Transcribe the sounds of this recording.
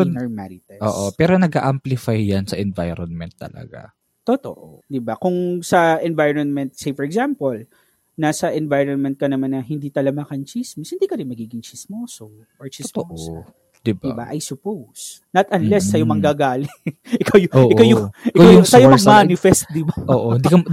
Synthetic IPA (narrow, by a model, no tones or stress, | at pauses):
ɔɹmaɾɪt̪ɛʔoːʔopɛːɾonɐɡa̰ʔamplɪfajːɐnsɐʔɛnva̰jɾonmɛnt̪ːɐ̰lɐ̰ɡa̰ | t̪ot̪o̰ʔod̪ɪbakʊŋsɐʔɛnvajɹɔnmɛnt̪̚sejfɔɹɛɡsampol | nasɐʔɛnvajɹonmɛnt̪̚kɐnɐmanːɐhɪnd̪iːt̪ɐlɐmakɐnt͡ʃismɪshɪnd̪iːkɐɾɪnmɐɡiːɡɪŋt͡ʃismoːso | ʔoɹt͡ʃɪst̪ooʔ | d̪ɪbɪba̰ʔɐjsʊpows | nɐt̪ʔɐnlɛsːɐjomɐŋɡaːɡaːlɪʔɪkawjʔoʔɪkawjʊʔɪkwjʊsɐjomɐɡ̚maːnɪfɛst̪̚d̪ɪbaʔoʔoɪnd̪ikɐ